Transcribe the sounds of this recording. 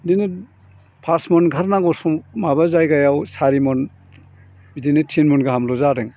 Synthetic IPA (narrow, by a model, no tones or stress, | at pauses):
dini | pʰasmɔnɡʱaɾnaɡɔsuŋmabazajɡajawsaɾimɔn | bidinetʰinmɔnɡaɦamlɔzaɾɯŋ